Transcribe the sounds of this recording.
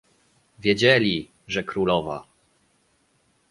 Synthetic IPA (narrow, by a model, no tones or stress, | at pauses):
vʲjed͡ʑɛlʲi | ʐɛkɾulɔva̰